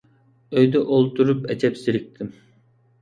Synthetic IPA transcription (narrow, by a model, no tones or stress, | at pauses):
øjd̪ɛʔolˠt̪ʰuɾupɛt͡ʃʰɛpsiɾik̚ʲt̪ʰɪm